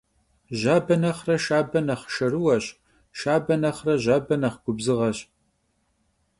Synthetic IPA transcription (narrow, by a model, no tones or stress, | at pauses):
ʑaːbɐnɐχrɐʃaːbɐnɐχə̥ʃɐrɨwɐɕ | ʃaːbɐnɐχrɐʑaːbɐnɐχɡʷʊbzɨʁɐɕ